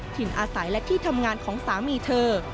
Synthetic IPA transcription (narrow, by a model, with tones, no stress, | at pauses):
t̪ʰi˨˩nʔaː˧sa˩˦jlɛ˦˥t̪ʰiː˥˩t̪ʰa˧mŋaː˧nkʰɔː˩˦ŋsaː˩˦miː˧t̪ʰɤː˧